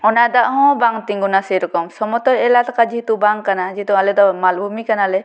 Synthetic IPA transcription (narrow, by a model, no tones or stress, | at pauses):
ɔnad̪aʔɦɔ̃baŋt̪iŋɡunaseɾɔkɔmsɔmɔt̪ɔɾɛlat̪akad͡ʒit̪ubaŋkanad͡ʒit̪ualɛd̪ɔmalbʱumikanalɛ